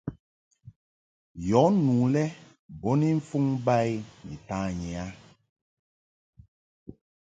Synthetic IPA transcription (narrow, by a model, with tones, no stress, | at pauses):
jɔ˨˦nuː˨lɛ˦ | bɔ˦ni˦ɱ̩˦fu˦ŋba˦˨jni˨taː˦ɲɛ˨a˦